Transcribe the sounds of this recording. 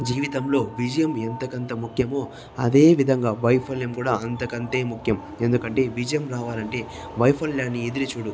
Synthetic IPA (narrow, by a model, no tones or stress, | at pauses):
d͡ʒiːʋit̪ɐmlo̞ːʋid͡ʒɐjɐment̪ɐkɐnt̪ɐmukʰjɐmoː | ɐd̪e̞ːʋid̪ʱɐŋɡaːʋɐjpʰɐljɐmkuːɽaːɐnt̪ɐkɐnt̪e̞ːmukʰjɐm | e̞nd̪ukɐɳʈe̞ːʋid͡ʒɐjɐmɾaːʋaːlɐɳʈe̞ː | ʋɐjpʰɐljaːnːied̪iɾit͡ʃuːɽu